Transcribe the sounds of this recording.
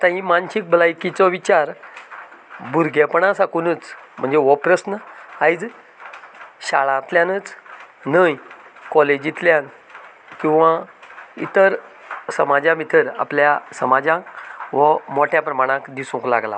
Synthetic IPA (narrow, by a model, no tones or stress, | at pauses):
t̪ãɦĩmanɕik̚bəlajkit͡sɔʋit͡ɕaɾ | buɾɡʱepəɳãsakunət͡sm̤əɳd͡zeʋɔpɾəsnəajd͡z | ɕaɭãt̪ljãnət͡snəjkɔled͡ʑit̪ljãn | kĩw̃ʋãḭt̪əɾsəmad͡ʑãmit̪ʰəɾa̰pljasəmad͡ʑãkʋəmoʈʰjapɾəmaɽ̃ãkd̪isũŋkla̰ɡla̰